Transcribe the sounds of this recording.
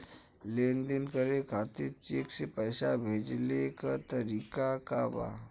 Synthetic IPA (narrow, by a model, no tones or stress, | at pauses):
lend̪inkəɾekʰat̪iːt͡ɕeksepəjsabʱed͡ʑlekat̪əɾikakaʋa̰